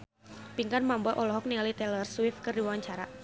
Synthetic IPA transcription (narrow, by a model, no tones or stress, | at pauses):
piŋkanmambɔʔɔlɔɦɔk̚nialit̪ɛlərswɪfkɨrdiwaɲt͡ʃaɾa